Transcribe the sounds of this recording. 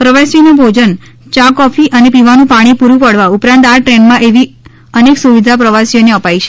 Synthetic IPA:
pɾəʋasinubʱod͡ʒən | t͡ʃakɔfiʔənepiʋanũpaɽ̃ipuɾũpəɽʋaupɾãnt̪aʈɾeɳɖmãʔeʋi | əneksuʋid̪ʱapɾəʋasijoneəpajt͡ʃʰe̥

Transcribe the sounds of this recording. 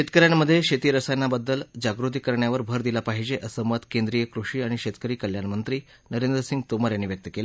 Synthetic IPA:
ɕet̪kəɾjanməd̪ʱːjeɕet̪iːɾəsanːabəd̪ːəld͡ʑaɡɾut̪iːkəɾɳjaʋəɾbʱəɾd̪ilapaɦid͡ʑeʔəsəmət̪kend̪ɾijəkɾuʂiːaɽ̃iɕet̪kəɾiːkəljanmənt̪ɾiː | nəɾend̪ɾəsiŋɡt̪oməɾjanːiːʋjək̚t̪əkela

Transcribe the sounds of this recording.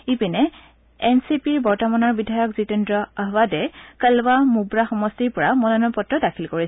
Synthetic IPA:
ipinɛ | ɛnsipiɹbɔɹtɔmanɔɹbidʱajɔkzitɛndɹɔaɦwadɛkəlbamubɹaxɔmɔstiɹpɔɹamɔnɔnɔpɔtɹɔdakʰilkoɹi

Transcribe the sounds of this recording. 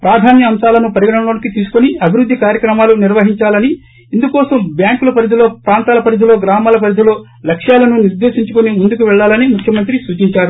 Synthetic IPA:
pɾaːd̪ʱaːnjɐːmsaːlɐnupɐɾiɡɐɳɐɳoːɳikit̪iːsu̥kuniɐbʱiɾud̪ʱːikaːɾjɐkɾɐmaːluniɾʋɐɦiɲt͡ʃaːlɐniː | nd̪ukɔːsɐmbjaːŋkulɐpɐɾid̪ulo̞ːpɾaːnt̪aːlɐpɐɾid̪ulo̞ːɡɾaːmaːlɐpɐɾid̪ulo̞ː | lɐkʂjaːlɐnuniɾd̪e̞ːʃiɲt͡ʃukunimund̪ukuʋɛɭːaːlɐnimukʰjɐmɐnt̪̬ɾisuːt͡ʃiɲt͡ʃaːɾu

